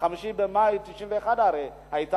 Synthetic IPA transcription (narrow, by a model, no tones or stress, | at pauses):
kamuʃibɛmaitiʃivɛxadaɾɛ | haita